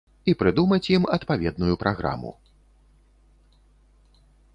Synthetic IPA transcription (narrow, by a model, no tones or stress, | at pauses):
ipɾɨd̪umɐt͡sʲjimɐt̪pavʲɛd̪̚nujupɾaɣɾa̰mṵ